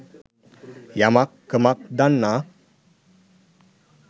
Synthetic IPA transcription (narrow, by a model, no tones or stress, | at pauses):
jamakːəmak̚d̪anːa